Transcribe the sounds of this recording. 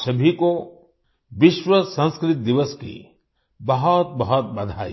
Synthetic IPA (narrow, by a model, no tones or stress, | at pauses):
sɐbʱiko | ʋɪʃwəsɐ̃nskɾɪt̪̚d̪ɪʋəskḭ | bɐɦɔt̪̚bɐɦɔt̪̚bɐd̪ʱa̰ːḭ